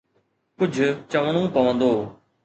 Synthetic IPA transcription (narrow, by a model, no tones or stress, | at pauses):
kʊd͡ʑʱʊt͡ɕəʋəɽ̃õpɐʋə̃nd̪oː